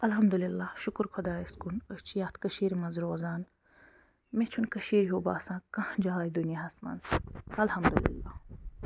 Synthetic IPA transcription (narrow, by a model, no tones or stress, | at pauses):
ɐlɦɐmd̪ulilːaːhʃʊkɾkʰɐd̪aːiskunət͡ʃʰijaːt̪ʰkɐʃiːɾmɐnzɾoːzaːn | mẽt͡ʃʰunkɐʃiːɾɦoːba̰ːsãːkɐ̃hd͡ʒaːaːjd̪unjaɦɐst̪mɐ̰nzɐlhɐmd̪ulḭlːa̰ː